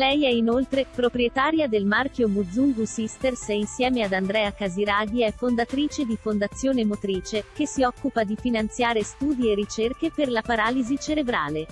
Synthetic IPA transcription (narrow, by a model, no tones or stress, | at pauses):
lɛjɛinolt̪ɾepɾopɾiet̪aːɾjad̪elmark̟jomud̪zːuŋɡusist̪ersɛinsjɛːmead̪and̪ɾɛːakaziɾaːɡiɛfond̪at̪ɾiːt͡ʃed̪ifond̪at̪sːjoːnemot̪ɾiːt͡ʃekesːiɔkːupad̪ifinant̪sjaːɾest̪uːd̪ierːit͡ʃerkeperlapaɾaːlizit͡ʃeɾebɾaːle